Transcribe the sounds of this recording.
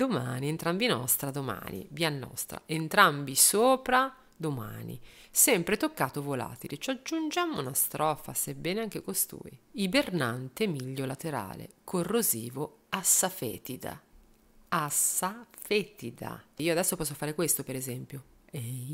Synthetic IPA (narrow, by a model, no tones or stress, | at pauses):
d̪omaːnient̪ɾambinɔst̪ɾad̪oma̰ːnḭbianːɔ̰st̪ɾa̰ʔent̪ɾambisoːpɾa | d̪oma̰ːnḭ | sɛmpɾet̪okːaːt̪ovola̰ːt̪ilet͡ʃad͡ʒːund͡ʒamonast̪ɾɔfa̰sebːɛːneaŋk̟ekost̪ṵːḭibernant̪emiʎːolat̪eɾa̰ːlḛkʰorːoziːvoasːafɛ̰ːt̪id̪a̰ | asafɛt̪id̪a̰iːoad̪ɛsːopɔsːofaːɾekwest̪opeɾezɛmpjo | ɛj